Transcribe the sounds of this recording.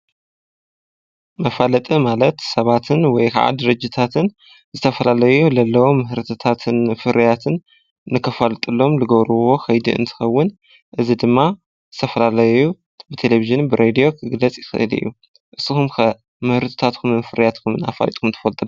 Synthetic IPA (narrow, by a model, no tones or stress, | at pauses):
mɐfalɐt̪ʼimalɐt̪sɐβat̪ʰɨnwɔjkʰa̰ʕa̰d̪ɨɾɨd͡ʒɨt̪ʰat̪ʰɨn | zɨt̪ʰɐfɐlalɐjulɐlːɐwomɨhɾɨt̪ʰot̪ʰat̪ʰɨnfɨɾijat̪ʰɨn | nːɨkʰɐfalt̪ʼɨlːomlɨɡɐβɾɨβo̞xɐjd̪ḭɨ̰nt̪ʰɨ̥xɐwːɨn | ʔɨzid̪ɨmːa | zɨt̪ʰɐfɐlalɐjju | bɨt̪ʰe̞leviʒɨnbɨɾʔed̪ijo̞kʰɨɡlɐt͡sʼjɪxɨ̰ʔɨ̰lɨ̰jːu | ʔɨsːɨxumk | mɨhɾɨt̪ʰo̥t̪ʰat̪kʰumɨmfɨɾijat̪kʰumɨna̰fa̰lɐ̰t̪ʼkʰumnt̪ʰɨ̥fɐlt̪ʼɨl